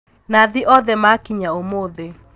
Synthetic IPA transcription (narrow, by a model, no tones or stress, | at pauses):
naðiʔɔðɛmakiɲaomoðe